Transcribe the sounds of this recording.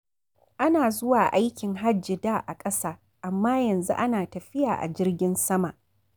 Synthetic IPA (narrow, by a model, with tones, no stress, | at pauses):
ʔa˦naː˨zʊ˦waː˨ʔa˦jkʲɪ˨ŋɦa˦d͡ʒɪ˨daː˦ʔa˨kʼɐ˦saː˦ | ʔa˨mːaː˦jɐ˨nzṵ˦ʔa˦naː˨tɐ˨ɸɪ˦jaː˨ʔa̰˨d͡ʒɪ˦rɡʲɪ˦nsɐ˦ma˨ʔ